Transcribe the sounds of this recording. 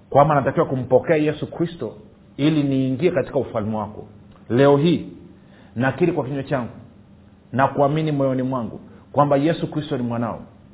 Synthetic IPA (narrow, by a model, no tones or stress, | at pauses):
kwambanatakiwakum̩pɔkɛajɛsukɾistɔ | iliniːŋɡiɛkati̥kaufalmɛwakɔ̰lɛɔɦiː | nakiɾikwakiɲɛt͡ʃaŋɡu | nakuaminimɔjɔnimwaŋɡṵkwambajɛsukɾistɔnimwanaɔ̰